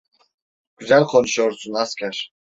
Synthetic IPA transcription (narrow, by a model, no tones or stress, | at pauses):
ɡ̥yzælʲqʰonʃoɾsunaskʰʲaɾ